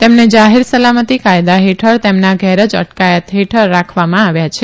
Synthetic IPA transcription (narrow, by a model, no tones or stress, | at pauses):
t̪emned͡ʒaɦiɾsəlamət̪ikajd̪aɦeʈʰəɾt̪emnaɡʱɛɾəd͡ʒə̰ʈkajət̪ɦeʈʰəɾːakʰʋamãaʋjat͡ʃʰe